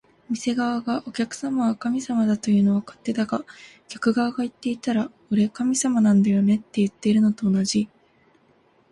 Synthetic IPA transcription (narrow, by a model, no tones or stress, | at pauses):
mʲise̞ɡaβaɡaʔo̞kʲakɯ̟̥samaβakamʲisamad̪at̪o̞jɯ̟ːno̞βakḁt̪ːe̞d̪aɡakʲḁkɯ̟ɡaβaɡait̪ːe̞it̪aɾakoɾe̞kamʲisamanãnd̪ajo̞ne̞t̪ːe̞jɯ̟t̪ːe̞iɾɯ̟no̞t̪o̞ːnaʑi